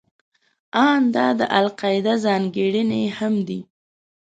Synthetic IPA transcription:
ɑnd̪ɑd̪əʔalqɑjɪd̪azɑŋɡeɽənehamd̪i

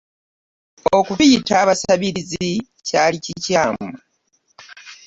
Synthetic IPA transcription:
o̞kuβijitaːβasaβiɾizi | caːlicicaːmu

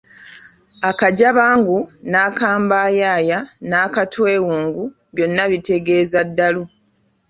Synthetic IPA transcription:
akaɟaβaːŋɡunaːkaːmbaːjaːjanaːkatwe̞ːwuːŋɡu | βjo̞nːaβite̞ɡe̞ːzadːalu

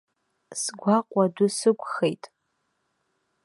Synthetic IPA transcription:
sɡʷaqʷʼadʊsɨkʷʼχejtʼ

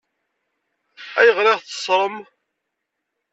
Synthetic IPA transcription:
æjəʁɾeʁθə̥sˤɾˤəm

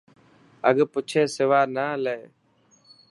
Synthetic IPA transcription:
əɠpʊt͡ʃʰeːsɪʋaːnaːleː

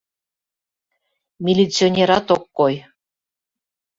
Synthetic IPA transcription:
mʲilʲit͡sʲionʲeɾɑt̪okːoj

